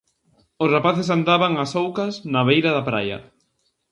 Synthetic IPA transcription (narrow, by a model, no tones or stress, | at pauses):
ʊsrapaθɪs̬and̪aβaŋɐsowkɐsnɐβejɾɐðɐpɾajɐ̰